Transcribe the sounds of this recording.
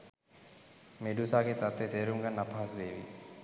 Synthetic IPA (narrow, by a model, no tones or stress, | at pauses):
meɖusaːɡet̪at̪ʋet̪eːɾumɡanːapaɦasuʋeːʋḭ